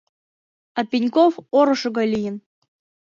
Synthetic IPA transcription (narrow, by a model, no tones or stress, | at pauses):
apʲinʲkofoɾɤ̆ʃɤ̆ɣɑlʲijɘ̆n